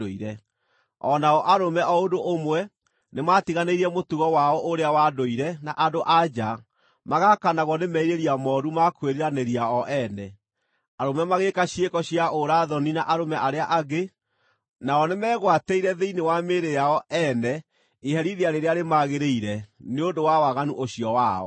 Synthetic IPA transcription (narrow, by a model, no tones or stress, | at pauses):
oiɾɛ | ɔnaɔʔaɾomɛʔɔodoʔomwɛ | nematiɣaneiɾiɛmotuɣɔwaɔʔoɾeawadoiɾɛnaʔadoʔad͡ʒa | maɣakanaɣwɔnemɛiɾeɾiamɔɾumakweɾiɾaneɾiaɔʔɛnɛ | aɾomɛmaɣekaɕiekɔɕiaʔoɾaðɔninaʔaɾomɛʔaɾeaʔaɡe | naɔnemɛːɣwateiɾɛðeinewameɾejaɔʔɛnɛ | eɦɛɾiðeaɾeɾeaɾemaɣeɾeiɾɛneondowawaɣanuʔoɕiɔwa̰ɔ̰